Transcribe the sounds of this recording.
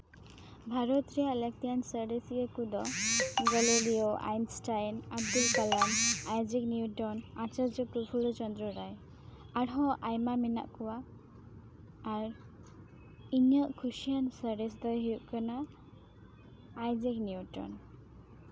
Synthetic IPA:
bʱaɾot̪ɾijalək̚t̪ijansəɖesɡekud̪ɔɡɔloɽioʔa̰jnsʈajnab̚d̪ulkalanajd͡ʒikniuʈɔnat͡ʃad͡ʒɔpɾupʰuɭɔt͡ʃɔnd̪ɾɔɾaj | aɽɦɔʔajmamina̰ʔkuwa | ɾ | iɲəʔkʰuʃijansəɖesd̪ɔjɦiuʔkɔna | jd͡ʒikniuʈɔ̰n

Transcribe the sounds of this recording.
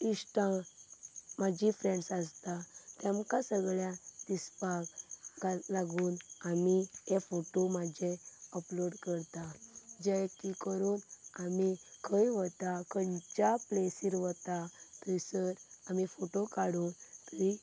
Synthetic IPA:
isʈã | mad͡ʑifɾẽɳɖsast̪at̪ɛ̃mkãsəɡɭjad̪ispakɡalaɡuːnamijefoʈomad͡ʑeəploɖkəɾt̪ad͡ʑɛkikəɾuːnamikʰəjʋət̪akənt͡ɕaplesiɾʋət̪at̪əjsəɾamifoʈokaɽuːnt̪əɾi

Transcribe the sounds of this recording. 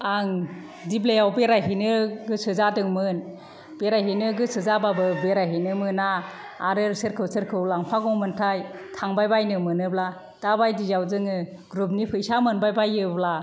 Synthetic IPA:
aŋ | diblejawbeɾaɦinɯɡɯsɯzadɯŋmɯn | beɾajɦinɯɡɯsɯzababɯbeɾaɦinɯmɯnaː | ɾɯɾsɯɾkʰɯwsɯɾkʰɯwlaŋpʰaɡɔŋmɯntʰajtʰaŋbajbajnɯmɯnɯbla | d̥abajdizawzɯŋɯ | ɡɾup̬̚nipʰɯjsamɯnbajbajɯbla

